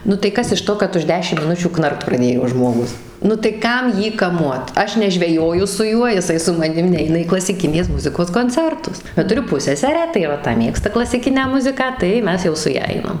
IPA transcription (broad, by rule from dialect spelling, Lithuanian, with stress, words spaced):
nʊ tɐɪ ˈkɐs ɪʃ ˈtoː kɐt ʊʃ ˈdʲæːʃʲɪm mʲɪˈnʊt͡ʃʲuː ˈknɐrkt prɐˈdʲeːjoː ʒmoːˈɡʊs nʊ tɐɪ ˈkɐm ˈjiː kɐˈmuɔt ˈɐʃ nʲɛʒʲʋʲɛˈjoːjʊ sʊ ˈjuɔ jɪˈsɐɪ sʊ mɐˈnʲɪm ˈnʲɛɪnɐ iː klˠɐsʲɪˈkʲɪnʲeːs ˈmʊzʲɪkoːs koːnʲˈt͡sʲɛrtʊs bʲɛt tʊˈrʲʊ ˈpʊsʲsʲɛsʲɛrʲæː tɐɪ ʋɐ ˈtɐ ˈmʲeːkstɐ klˠɐsʲɪˈkʲɪnʲæː ˈmʊzʲɪkɑː tɐɪ ˈmʲɛs jɛʊ sʊ ˈjɛ ˈɐɪnɐm